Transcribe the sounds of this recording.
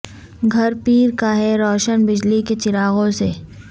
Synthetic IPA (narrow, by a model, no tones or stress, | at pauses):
ɡʱɐɾpiːɾkaɦɛɾɔːʃənbɪd͡ʒliket͡ʃɪɾaːɣõseː